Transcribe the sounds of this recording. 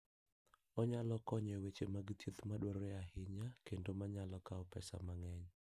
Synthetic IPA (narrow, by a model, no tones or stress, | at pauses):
ɔɲalɔkɔɲɛwet͡ʃemaɡtjit̪maɗwɔɾeahɪɲakendomaɲalɔkaɔpɛ̰sa̰maŋɛɲ